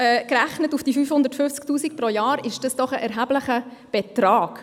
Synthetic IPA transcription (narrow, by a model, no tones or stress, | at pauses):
ɛkræχnətufd̥ifyːfhʊndəɾtfʏft͡sk̚tuːsik̚pɾojɑːɾɪʃd̥ɑsd̥ɔχəʔɛɾɦæbləχəb̥ɛtɾɑːɡ̥